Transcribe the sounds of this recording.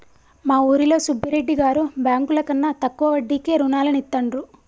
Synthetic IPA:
maːuːɾilo̞ːsubʱːiɾeɖːiɡaːɾubjaːŋkulɐkɐnːɐt̪ɐkːuʋɐʋɐɖːiːke̞ːɾunaːlɐnit̪ːɐɳɖɾu

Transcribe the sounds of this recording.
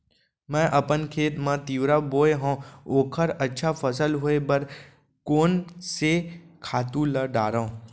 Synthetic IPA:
mɛ̃ʔəpənkʰeːt̪mãt̪iʋɾaboːjɦɔ̃okʰəɾətːʃʰafəsəlɦoːebəɾ | koːnsekʰaːt̪ũləɖaɾõ

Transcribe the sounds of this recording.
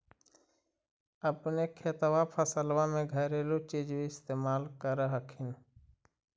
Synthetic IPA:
əpneːkʰeːt̪ʋaːpʰəsəlʋãːmẽːɡʱəɾeːlot͡ʃiːd͡ʒʋiɪst̪eːmaːlkəɾəɦəkʰɪn

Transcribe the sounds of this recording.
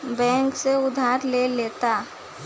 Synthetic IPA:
bɛ̃ːŋkseʊd̪ʱaːɾleleːt̪a

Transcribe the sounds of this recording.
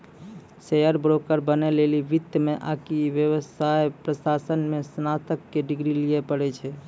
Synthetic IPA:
sejəɾbɾokəɾbəneleliʋit̪ːjəmeʔakiʋjəʋəsajpɾəsasənmesnat̪əkːeɖiɡɾilijepəɽɛt͡ʃʰɛ

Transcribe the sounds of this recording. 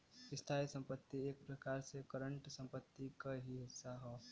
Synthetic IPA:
ɪst̪ʰaːjsə̃mpət̪ːieːk̚pɾəkaːɾsekəɾəɳʈsə̃mpət̪ːikaɦisaɦɔː

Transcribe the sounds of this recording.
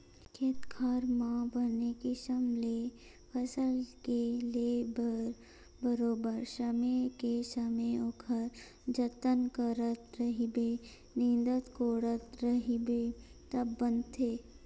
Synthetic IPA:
kʰeːt̪kʰaːɾmãbənekeʃəmle | pʰɐsəlkelebə | bəɾoːbəɾʃəmekesəmeokʰəɾ | d͡ʒɐt̪ːənkəɾət̪ɾəɦibe | nɪ̃nd̪ət̪koːɽət̪ɾɐɦibet̪ɐbːə̃nd̪t̪ʰːeː

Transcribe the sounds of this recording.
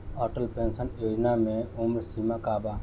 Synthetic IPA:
ɔːʈəlpensənjoːd͡ʒnamẽumɾsimakaːbaː

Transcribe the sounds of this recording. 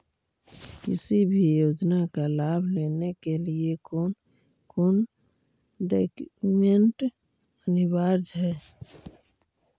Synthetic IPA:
kɪsibʱijoːd͡ʒnakalabʱlenekeliekon | koːn | ɖekmeɳʈ | ənɪbaɾd͡ʒɦɛː

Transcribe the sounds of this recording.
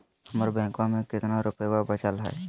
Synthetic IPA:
həməɾbɛ̃ːkwamẽkɪt̪naɾʊpewabət͡ʃəlɦɛ̰ː

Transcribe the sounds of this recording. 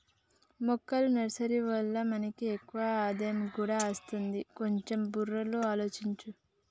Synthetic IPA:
mɔkːɐlunɐɾɐsɐɾiʋɐlːɐmɐnɐkiekːuʋaaːd̪ɐjɐmkuːɽaːɐst̪und̪iko̞ɲt͡ʃe̞mburːɐloaːlo̞ːt͡ʃiɲt͡ʃu

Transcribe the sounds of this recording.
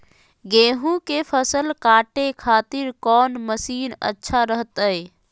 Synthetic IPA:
ɡẽːɦũkepʰəsəlkaːʈekʰaːt̪iɾkɔːnməsiːnə̰tːʃʰaɾəɦt̪əj

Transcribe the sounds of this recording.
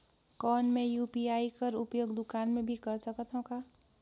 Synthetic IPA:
kɔnmẽjupiaːikəɾupjoːɡd̪ʊkaːnmẽbʱikəɾsəkət̪ʰɦɔ̃ka

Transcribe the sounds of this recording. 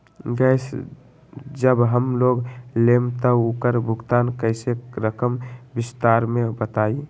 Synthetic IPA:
ɡəɪs | d͡ʒəbɦəmloːɡlemt̪əukəɾbʱʊɡt̪aːnkəɪseɾəkəmbɪst̪aːɾmebət̪aːi

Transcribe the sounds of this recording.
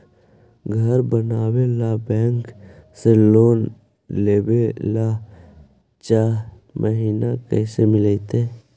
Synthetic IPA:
ɡʱəɾbənaːwelabɛ̃ːŋkseloːn | leːwela | t͡ʃaːɾ | mʔəɦiːnakə̰ːsemɪlet̪e

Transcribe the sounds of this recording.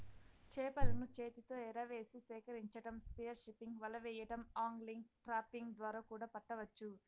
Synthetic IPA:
t͡ʃɛːpɐlɐnut͡ʃeːt̪it̪o̞ːɛɾɐʋe̞ːsisɛːkɐɾiɲt͡ʃɐʈɐmspijɐɾʃipːiŋɡʋɐlɐʋɛːjɐʈɐmaːŋɡliŋɡʈɾaːpiŋɡd̪ʋaːɾaːkuːɽaːpɐʈːɐʋɐt͡ʃːu

